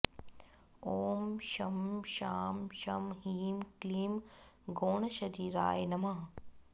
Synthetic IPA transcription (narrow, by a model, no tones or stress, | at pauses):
oːmʃɐmʃaːmʃɐmɦiːmkliːmɡoːɳɐʃɐd̪iːɾa̰ːjnɐmɐ